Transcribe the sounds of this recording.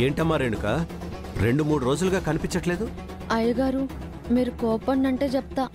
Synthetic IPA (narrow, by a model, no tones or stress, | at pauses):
e̞ːɳʈɐmːaːɾeːɳɖukaː | ɾe̞ɳɖumuːɽuɾo̞ːd͡ʒuluɡaːkɐnipiɲt͡ʃɐʈle̞ːd̪u | ɐjɐɡaːɾu | miːɾukɔːpɐnːɐɳʈe̞ːt͡ʃɛp̚t̪aː